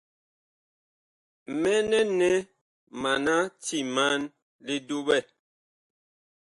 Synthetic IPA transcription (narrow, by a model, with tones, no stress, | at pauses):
mɛ˦nɛ˦nɛ˦ | ma˨na˦ti˦˨ma˦n | li˦du˦bɛ˦˨